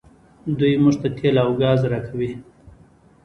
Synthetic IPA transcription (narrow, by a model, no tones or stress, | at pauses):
d̪ujmuʐt̪at̪ʰelawɡɑzɾɑkʰawi